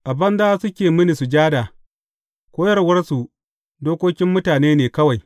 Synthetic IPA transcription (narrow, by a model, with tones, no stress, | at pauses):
ʔa˨bɐ˦nzaː˦sʊ˦kʲeː˨mɪ˦ni˨su˨d͡ʒaː˦daː˨ | kʷoː˦jɐ˦rwɐ˦rsu˨ | doː˦kʷoː˦kʲɪ˦mːʊ˦taː˨neː˦neː˨kɐ˦wa˨j